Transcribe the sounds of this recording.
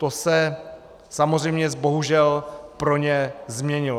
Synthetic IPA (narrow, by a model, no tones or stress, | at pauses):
t̪osɛ | samozr̝ɛjmɲɛzbo̞ɦuʒɛlpɾo̞ɲɛzmɲɛɲɪlo